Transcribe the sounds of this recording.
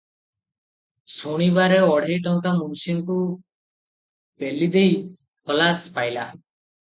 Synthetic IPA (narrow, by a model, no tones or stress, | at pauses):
soɽ̃ibaːɾeɔːɽ̤ʱejʈɔ̃ŋkamumsinku | pɛlid̪ei | pəlaːspaːjla̰ː